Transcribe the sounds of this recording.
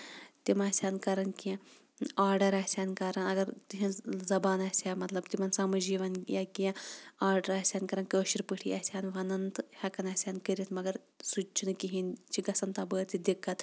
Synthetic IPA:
t̪imasʲaːnkɐɾɐnkiɛ̃ | aːɾɖɐɾɐsʲaːnkɐɾɐnɐɡɐɾt̪iɦinzɐbaːnɐsʲaːmɐt̪lɐbt̪imɐnsɐmɐd͡ʒiːʋɐnjaːkiãaːɾɖɐɾɐːsʲaːnkɐɾɐnkəːʃiɾpɨʈʰiːɐsʲaːnʋɐnɐnt̪ɨhɐkɐnɐsʲaːnkəɾit̪ʰmɐɡɐɾ | sut͡ʃʰunɨkiɦint͡ʃʰiɡɐsɐnt̪abəːt̪ʰid̪ikːɐt̪

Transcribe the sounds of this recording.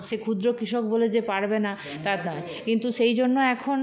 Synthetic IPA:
ʃekʰud̪ɾokɾiʃokboled͡ʑepaɽbena | t̪aɾnɔe | kint̪uʃejd͡ʑonːoɛkʰon

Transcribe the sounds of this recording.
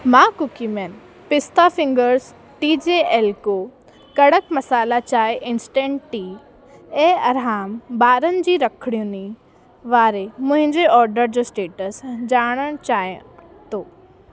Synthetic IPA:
mãːkʊkimen | pɪst̪ʰafɪ̃ŋɡəɾz | ʈiːd͡ʑeːeːlkoː | kɐɽəkmɐsaːlat͡ɕaːeʔɪnsʈẽːɳʈʈi | eːɐɾɦaːmbaːɾənɪ̆d͡ʑiːɾɐkʰəɽijũni | ʋaːɾemʊ̃ɦɪ̃ɲd͡ʑeʔɔːɾɖəɾd͡ʑoːsʈeːʈəsd͡ʑaːɽ̃əɽ̃t͡ɕaːj | t̪oː

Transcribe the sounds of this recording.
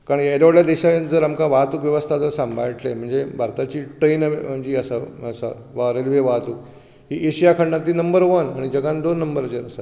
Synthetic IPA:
kaɾɳjeɾʋaɽljad̪eɕad͡zəɾamkaʋaɦt̪uːkʋjəʋəst̪ʰad͡zəɾsãmbʱajʈlem̤əɳd͡zebʱaɾt̪at͡ɕiːʈɾenɳd͡ʑiːəsaəsa | ʋaɾelʋeʋaɦt̪uːk | ɦiːʔeɕijakʰəɳɖat̪iːnəmbəɾʋənaɽ̃id͡ʑəɡãnd̪onːəmbəɾt͡ɕəɾəsa

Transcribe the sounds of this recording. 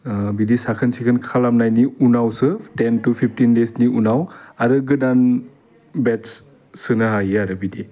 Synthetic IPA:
bidisakʰɯnsʰikʰɯnkʰalamnajniunawsɯtentupʰip̚ʰtinlesniunawaɾɯɡɯdan | bett͡ʃ | sɯnɯɦajaɾɯbidi

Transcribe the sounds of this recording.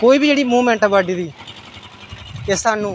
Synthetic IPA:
koːiːbid͡ʒeːɽiːmuːmɛ̃ːɳʈəbʋaːɖiːd̪iː | esaːnːũː

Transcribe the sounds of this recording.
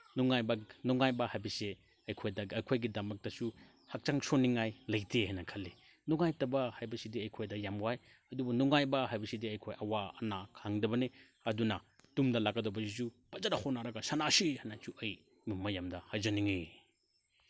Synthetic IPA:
nuŋajbɐnuŋajbɐhajbɐse | ɐjkʰojdɐɐjkʰojɡidɐmɐk̚tɐsu | hak̚t͡ʃaŋsoniŋajlɐjtʰehajnɐkʰɐlːi | nuŋajtɐbɐhajbɐsidiɐjkʰojdɐjamwaj | ɐdubɐnuŋajbɐɦajbɐsidiɐjkʰojʔɐwaɐnakʰaŋdɐbɐni | ɐdunɐdumdɐlaɡɐdobɐsisu | pɐzaɾahonːaɾɐɡɐsɐnasihajnasuɐj | mimːɐjamdɐhajd͡ʒɐniŋi

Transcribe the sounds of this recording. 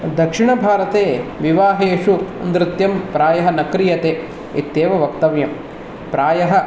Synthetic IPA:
d̪ɐkʂiɳɐbʱaːɾɐt̪eːʋiʋaːɦeːʃuɐ̰nd̪ɾɪt̪jɐmpɾaːjɐɦɐnɐkɾijɐt̪eː | ḭt̪ːeːʋɐʋɐk̚t̪ɐʋjɐm | pɾaːjɐɦɐ

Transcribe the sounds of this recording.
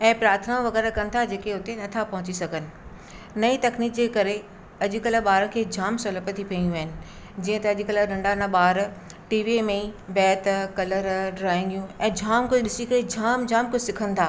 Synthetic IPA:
ɛ̃ːpɾaːt̪ʰnãʋɐɣɛːɾakɐnɪ̆t̪ʰad͡ʑeːkeʊt̪enɐt̪ʰapɐɦʊt͡ɕisɐɡʱənɪ̆ | nɐit̪ɐkniːkd͡ʑeːkɐɾe | ɐʄɪ̆kɐlə̆ɓaːɾəkʰeːd͡ʑʱaːmsoləpət̪ʰipʰiijũaːɦɪnɪ̆ | d͡ʑĩːə̃t̪ɐɐʄɪkɐləɖɐ̃ɳɖanãɓaːɾ | ʈiːʋiemẽibɛːt̪kɐləɾɖɾaːɪ̃ŋɡjũɛ̃ːd͡ʑʱaːmkʊd͡ʑʱɪɗɪsikɐɾed͡ʑʱaːmd͡ʑʱaːmkʊd͡ʑʱsɪkʰənɪ̆t̪ʰaː

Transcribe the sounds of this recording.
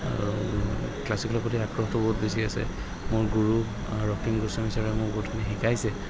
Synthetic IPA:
klasiklɔpʰɔtiakɹɔxtɔbɔɦutbesiasɛ̰ | mʊɹɡuɹu | ɹɔkʰimɡusɔmisaɹɛmʊɹbɔutkʰanixikajsɛ

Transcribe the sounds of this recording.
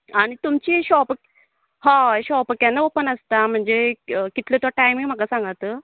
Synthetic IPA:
aɽ̃it̪umt͡ɕiːɕɔpək | ɦãɕɔpəkjanːaopənəst̪am̤əɳd͡zeəkit̪let̪aʈajmiŋm̤akasãŋɡat̪əː

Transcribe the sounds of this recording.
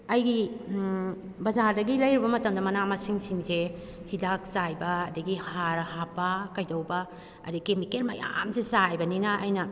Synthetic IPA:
ɐjɡi | bɐzaɾdɐɡilɐjɾibɐmɐtɐmdɐmɐnamɐsiŋsiŋze | hidak̚sajbɐːdɐɡihaɾhapːɐkɐjdɐwbɐ | ɐ̰dikemikelmɐja̰msesajbɐninɐʔːjnɐ

